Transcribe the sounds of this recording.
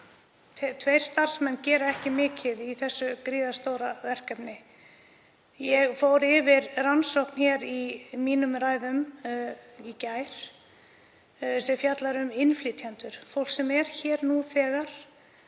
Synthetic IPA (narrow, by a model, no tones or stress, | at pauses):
t̪ʰvejɾ̥st̪ar̥smɛnːcɛːɾaɛhcɪmɪːcɪðiθɛsːʏkɾiːðast̪oːwɾavɛr̥kɛpnɪ | jɛɣfoːwɾɪvɪɾransowhkn̥çɛɾimiːnʏmraːjðʏm | icaːjɾ̥ | sɛfjat̪laɾʏmɪnfliːt̪ʰjant̪ʏɾ̥fowl̥ksɛmɛɾ̥çɛːɾnuθɛːɣaɾ̥